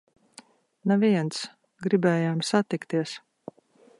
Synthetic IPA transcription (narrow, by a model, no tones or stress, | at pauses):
naviɛnt̪s | ɡɾibɛːjaːmsat̪ikt̪iɛs